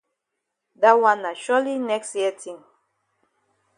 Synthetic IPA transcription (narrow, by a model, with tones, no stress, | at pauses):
da˦wã˦na˨ʃɔli˦nɛ˦ksjɛtʰĩ˨ŋ